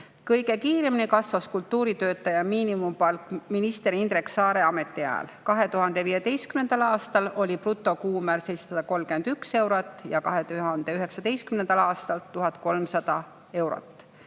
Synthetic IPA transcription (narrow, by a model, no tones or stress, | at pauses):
kɤjɡe̞kiːɾeminekɑsvɑskult̪ːuːɾit̪ø̞ːt̪ːˑɑjɑmiːnimumpɑlkminist̪e̞ɾiind̪ɾeksɑːɾe̞ɑme̞t̪ːˑiæ̰ːlkɑɦe̞t̪uɦɑnd̪̥e̞viːjed̪e̞jst̪kymne̞nd̪̥ɑlɑːst̪ɑlo̞lʲiprut̪ːˑo̞kuːmæɾsejssɑd̪̥ɑko̞lmɡ̥e̞nd̪̥ykse̞wɾot̪ːˑjɑkɑɦe̞t̪uhɑnd̪̥e̞yɦe̞ksɑd̪e̞jst̪kymnend̪ɑlɑːst̪ɑlt̪ːuɦɑt̪ko̞lmsɑd̪̥ɑ | e̞wɾo̰t̪ːˑ